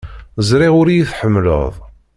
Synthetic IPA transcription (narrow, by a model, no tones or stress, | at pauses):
zɾiʁʊɾjiθħəmːlə̰ðˤ